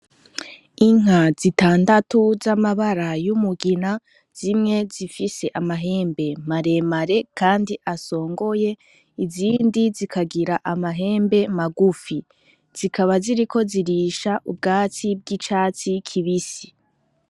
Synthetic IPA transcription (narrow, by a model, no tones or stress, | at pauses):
iŋ̥azitaːndatuzamaβaɾajumuɡina | z̥imŋe̞zifise̞ʔamaɦe̞ːmbe̞maɾe̞maɾe̞kʰaːndiʔaso̞ːŋɡo̞je̞ | iziːndizikʰaɡiɾaʔamaɦe̞ːmbe̞maɡufi | z̥ikʰaβaziɾikʰo̞ziɾiːʃaʔub̚ɡaːt͡sib̚ɡit͡ʃaːt͡sikʰiβisi̥